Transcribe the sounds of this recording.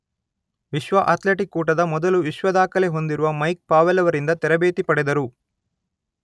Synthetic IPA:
ʋiʃʋɐʔɐt̪leʈikːuːʈɐd̪ɐmɔd̪ɐluʋiʃʋɐd̪aːkɐleɦo̞nd̪iɾuʋɐmɐjk̚paːʋelɐʋɐɾind̪ɐt̪ɛɾɐbeːt̪ipɐɽɛd̪ɐɾu

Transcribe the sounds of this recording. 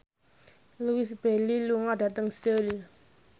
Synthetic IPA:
luisb̥ɛliluŋaɖa̤t̪əŋsəl

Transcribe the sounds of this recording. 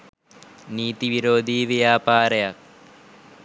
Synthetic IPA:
niːt̪iʋiɾoːd̪ʱiːʋjaːpaːɾɐjɐk̚

